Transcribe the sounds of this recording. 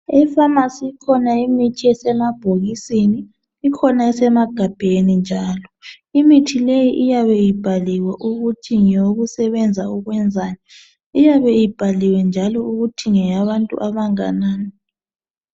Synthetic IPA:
ɛfamasikʰɔnaimitʰiɛsɛmab̥ʱoɣisiniː | kʰɔnaɛsɛmaɡ̥ʱab̥ʱenind͡ʒʱaːlɔ | imitʰilejiʔijaβɛjib̥ʱaliwaʔuɣutʰiŋoɣusɛβɛnd͡zʱauɣwɛnd͡zʱaːjɔ | ijaβɛjib̥ʱaliwɛnd͡ʒʱalɔuɣutʰiŋɛjaβantʼṵʔaβaŋa̰naːni

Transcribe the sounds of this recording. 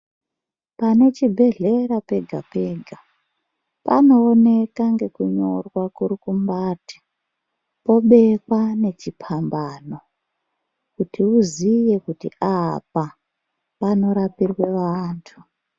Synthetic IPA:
pane̞t͡ʃibʱe̞ɮe̞ɾape̞ɡʱa̰peːɡʱa | pa̰no̞ːne̞kaŋɡe̞kuɲo̞rwakuɾikumbaːti̥ | po̞ɓe̞kane̞t͡ʃipʰambaːno̞ | kutiuzije̞kutḭʔapa | pano̞ɾapirwe̞ʋaːntʰu

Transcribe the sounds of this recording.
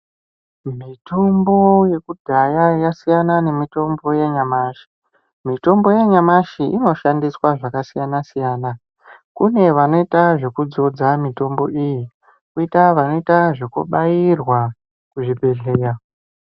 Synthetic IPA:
mito̞mbo̞je̞kudʱajajasijanane̞mito̞mbo̞jeɲamaːʃi̥ | mito̞mbo̞jeɲamaʃiʔino̞ʃandiswaʐakasijanasijaːna | kune̞ʋano̞itaʐe̞kud͡zo̞d͡zamito̞mbo̞ʔiji | kuitaʋano̞itaʐe̞kṵɓajirwa | kuʐibʱe̞ɮe̞ːja

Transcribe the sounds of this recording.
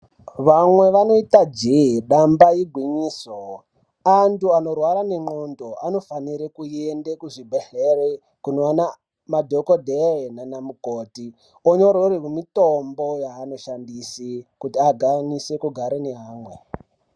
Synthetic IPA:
ʋamwe̞ʋano̞itad͡ʒeɦiɗambajiɡʱwiɲiːso | antuano̞rwaɾane̞ŋ͡ǃo̞ndoano̞faniɾekuendekuʐibʱeɬere | kunoana | madʱokodʱerenanamukoːti | oɲo̞ɾoriwemitombo̞jaːno̞ʃandisikutiaɡʱanise̞kuɡʱaɾeneɦaːmwe̞̰

